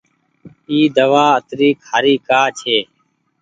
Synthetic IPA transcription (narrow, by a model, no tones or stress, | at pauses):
iːd̪əʋaːət̪ɾiːkhaːɾiːkaːt͡ʃʰeː